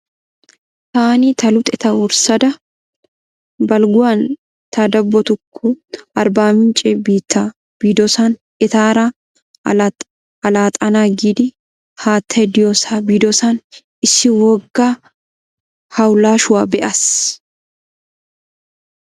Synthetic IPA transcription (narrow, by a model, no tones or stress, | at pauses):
t̪aːnit̪ɐlʊt̪ʼɛt̪ɐʊɾsɐd̪ɐ | bɐlɡʊwan | t̪ad̪ɐbːɔt̪ʊkːʊɐɾbaːmɪnt͡ʃʼɛbiːt̪ːa | b̥iːd̪ɔsan | ɛt̪aːɾa | ɐlaːt̪ʼɐnaːɡid̪ɪ | haːt̪ʰːɛd̪ɪjɔsabiːd̪ɔsan | ɪsːɪwɔɡːaː | hɐwlaːʃʊwaːbɛʔɐs